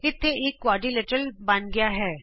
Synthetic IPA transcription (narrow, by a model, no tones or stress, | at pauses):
ɪt̪ʰːeeːkːʋaːɖileːʈəlbɐnɡɐjaɦɛː